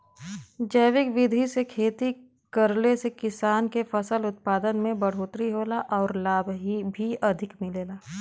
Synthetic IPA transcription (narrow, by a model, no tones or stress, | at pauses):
d͡ʒəjʋɪkʋɪd̪ʱisekʰeːt̪i | kɐɾlesekɪsaːnkefɐsəlʊt̪̚paːd̪ənmẽbɐɽ̤oːt̪ɾiɦoːlaʔɔːɾlaːbʱɦibʱiɐd̪ʱɪkmɪleːlaː